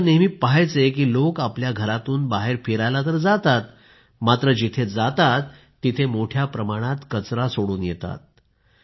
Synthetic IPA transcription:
nemipaɦajt͡sek̬iːlokapljaɡʱəɾat̪uːnbaɦeɾfiɾajlat̪əɾd͡zat̪at̪ | mat̪ɾəd͡ʑit̪ʰed͡zat̪at̪ː | it̪ʰemoʈʰjapɾəmaɽ̃at̪kət͡sɾasoɽuːnjet̪a̰t̪̚

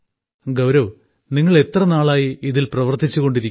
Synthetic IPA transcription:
ɡɐwɾɐʋ | niŋːɐɭe̞t̪rɐnaːɭaːjiiðilprɐʋɐrt̪ʰit͡ɕːuɣo̞ɳɖiɾikʲː

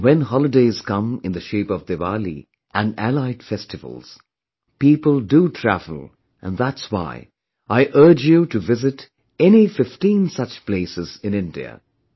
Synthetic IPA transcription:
wɛ̃nɦɑlˠɨdeɪz̥kʌ̃mɨ̃nðɨʃeɪpʌvd̪evalḭ | ʔɨ̃nælaɪd̥fɛstɨvə̰l̩ˠz̥ | piːpəlˠdutʰɹ̥ævəl̩ˠ | ɨ̰̃nðætswa̰ɪ | ʔaɪʔɜ˞d͡ʒjuɾɨvɪzɨt | ɛnifɪftĩnsʌt͡ʃpl̥eɪsɨz̥ɨ̃nɪ̃ndḭɨ̰

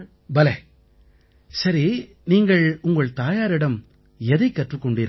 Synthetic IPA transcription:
bɐlɐ | sɐɾi | niːŋɡɐɭʊŋɡɐɭt̪aːjaːɾɪɽɐm | ɛðɐɪkːɐʈrɯkːɔɳɖɪɾ

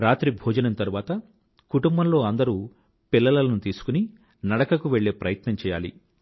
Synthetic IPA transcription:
ɾaːt̪ɾibʱɔːd͡ʒɐnɐmt̪ɐɾuʋaːt̪ɐ | kuʈumbɐmlo̞ːɐnd̪ɐɾuː | pilːɐlɐlɐnut̪iːsu̥kuni | nɐɽɐkɐkuʋe̞ɭːe̞ːpɾɐjɐt̪nɐmt͡ʃɛːjaːlḭ

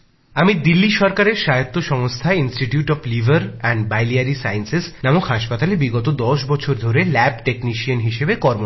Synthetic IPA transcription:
amid̪ilːiʃɔɾkaɾeɾʃajot̪ːoʃɔŋst̪ʰaeinsʈiʈjuʈɔflivʱaɾɛɳɖbajliaɾisajnsesnamukɦaʃpat̪alebiɡɔt̪od̪ɔʃbɔt͡ɕʰoɾd̪ʱoɾelɛb̚ʈekniʃiənɦiʃebekɔɾmo

